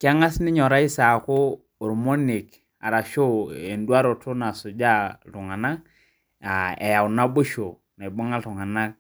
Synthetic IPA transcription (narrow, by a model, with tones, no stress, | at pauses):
kɪ˦a˦ŋa˦snɪ˦ɲɔ˨ɾa˦i˦sa˨koː˦˨ | ɾmo˦ni˨k | a̰˨ɾa˨ʃo˦e˨ndwa˦ɾo˨to˦na˨sʊ˨d͡ʒa˦lʊ˨ŋa˨na˦k | a˨ḛ˨ja˨ʊ˨na˦bo˦ʃo˨ | na˨i˨bo˦ŋa˦tʊ˨ŋa˨na˦k̚